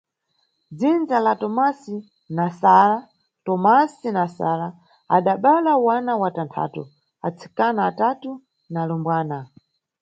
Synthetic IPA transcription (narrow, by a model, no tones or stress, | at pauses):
d͡zind͡zalatɔmasi | nasala | tɔmasinasa̰la | a̰ɗaɓalawanawatantʰa̰ːtu | a̰t͡sʰi̥kanaːtatu | nalɔmbwaːna